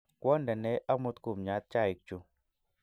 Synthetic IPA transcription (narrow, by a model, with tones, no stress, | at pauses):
kwɔ˦ndɛ˨nɛ˦ʔa˦mu˦t̪ku˨mɲa˨˦t̪̚t͡ʃa˦˨i˨k̚t͡ʃu˨